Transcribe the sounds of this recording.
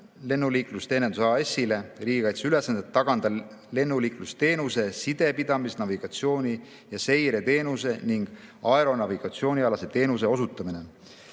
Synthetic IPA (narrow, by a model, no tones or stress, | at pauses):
le̞nːuliːklust̪eːned̪usɑe̞sːile̞riːɡ̥ikɑjt̪seylesːɑnd̪et̪ːɑɡ̥ɑnd̪̥ɑle̞nːuliːklust̪e̞ːnuse̞sid̪̥e̞pid̪̥ɑmisnɑviɡ̥ɑt̪sio̞ːnʲi | jɑse̞jɾe̞t̪e̞ːnuse̞niŋɡ̥ɑe̞ɾo̞nɑviɡ̥ɑt̪sio̞ːnʲiɑlɑset̪e̞ːnus̬e̞o̞sut̪ːˑɑmine̞